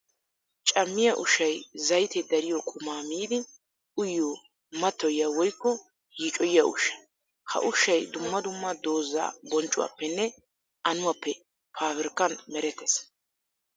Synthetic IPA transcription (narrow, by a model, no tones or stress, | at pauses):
t͡ʃʼɐmːɪjɐʔʊʃɐjzɐjt̪ɛd̪ɐɾɪjɔkʼʊmaːmiːd̪ɪ | ʔʊjːoː | mɐt̪ːɔjawɔjkːɔ | jiːt͡ʃʼɔjɪjaʔʊ̰ʃɐ̥ | hɐ̰ʔʊʃɐjd̪ʊmːɐd̪ʊmːɐd̪o̞ːzːa̰ːbɔnt͡ʃʼʊwa̰pːɛnːɛ | ʔɐnʊwaːpːɛ | pʰaːβɪɾkːɐnmɛɾɛt̪ːɛs